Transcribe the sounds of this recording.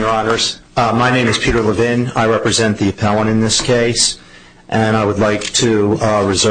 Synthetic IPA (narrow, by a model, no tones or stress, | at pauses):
ə˞ɑnə˞z̥maɪnẽɪ̃mɨz̥pʰiɾə˞ləvɪ̃na̰ɪɹɛpɹɨzɛ̃nðiɨpʰɛlˠə̃ɾ̃ɨ̃nðɪskʰeɪs | ʔɨ̃ñaɪwədˡlaɪk̚tʰɨɹɨzɜ